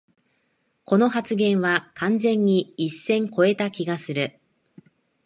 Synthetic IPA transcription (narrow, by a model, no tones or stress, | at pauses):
ko̞no̞ɦat͡sɨɡẽ̞ɰ̃βakʰãnzẽ̞ɲ̟ːiːsːẽ̞ŋko̞e̞t̪akʲiɡasɨɾɯ̟